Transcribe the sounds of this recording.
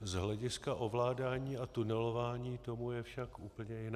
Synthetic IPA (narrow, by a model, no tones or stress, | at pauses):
zɦlɛɟɪskaʔo̞vlaːdaːɲiːat̪unɛlo̞vaːɲiːt̪o̞mujɛfʃakʔuːpl̩ɲɛjɪn